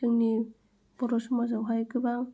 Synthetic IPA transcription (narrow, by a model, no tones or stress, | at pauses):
ɯŋni | b̥ɔɾɔsumazawɦajkɯbaŋ